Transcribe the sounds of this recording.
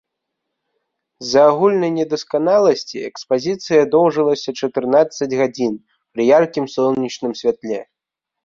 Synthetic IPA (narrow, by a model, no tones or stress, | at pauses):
zɐːɣulʲnɐjnʲɛd̪ɐskanalˠɐsʲt͡sʲiɛkspazʲit̪sɨjɐd̪ɔwʐɨlˠɐsʲɐt͡ʂɐt̪ɨrnat̪sːɐd͡zʲɣad͡zʲin | pɾijarkʲimsɔw̪nʲit͡ʂnɨmsʲvʲat̪lʲɛ